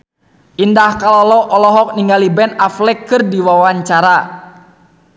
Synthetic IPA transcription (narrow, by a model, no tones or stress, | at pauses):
ʔindahkalɔlɔʔɔlɔɦɔk̚niŋɡalibɛnaflɛkːɨrdiwawaɲt͡ʃaɾa